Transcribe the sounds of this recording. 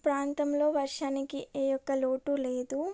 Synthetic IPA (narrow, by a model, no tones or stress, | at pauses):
pɾaːnt̪ɐmlo̞ːʋɐɾʂaːnikieːjɔkːɐloːʈuleːd̪u